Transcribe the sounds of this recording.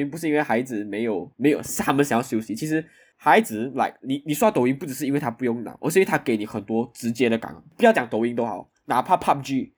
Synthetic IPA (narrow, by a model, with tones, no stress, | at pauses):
i˥ŋpu˧˥ʂɻ̩˥˧i˦˥we˥˩ɪxa˧˥ɪd͡zɹ̩˨˩me˧˥ɪjo˨˩ʊme˧˥ɪjo˨˩ʊ˥a˥mə˨nsja˨˩˦jɑ˥˧ʊɕjo˥ʊɕi˧˥t͡ɕʰi˧˥ʂɻ̩˧˥ | xa˧˥ɪd͡zɹ̩˨˩˦la̰˧˩ɪkni˨˩ni˨˩su˥ɑ˥˩t̪o˧˥ʊi˧˥ŋpu˥˩ʈ͡ʂɻ̩˨˩ʂɻ̩˧i˥nwe˥˩ɪt̪ʰa˥pu˧jo˥˩ŋna̰˨˩˦ʔə̰˧˦swɔ˥i˨˦t̪ʰa˥ke˧ɪni˨˩xə˨˩nt̪wɔ˥ʈ͡ʂɻ̩˧˥t͡ɕjɛ˥ɾə˨ka̰˨˦ŋ˦pu˧˥jt͡ɕjɑ˨˩ŋt̪o˧ʊi˧˥ŋt̪o˥ʊxɑ̰˨˩˦ʊna˨˩pʰa˥˧pʰa˥˧p̚d͡ʒy˥˩